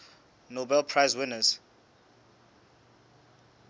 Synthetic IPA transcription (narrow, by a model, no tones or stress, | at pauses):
nobɛlpʰɹajzwɪnəz